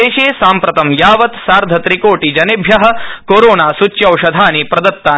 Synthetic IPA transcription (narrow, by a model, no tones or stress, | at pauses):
eːʃeːsaːmpɾɐt̪ɐmjaːʋɐt̪saːɾd̪ʱɐt̪ɾikoːʈid͡ʒɐnebʱjɐɦɐ̆koːɾoːnaːsut͡ʃːjɐwʂɐd̪ʱaːniːpɾɐd̪ɐt̪ːaː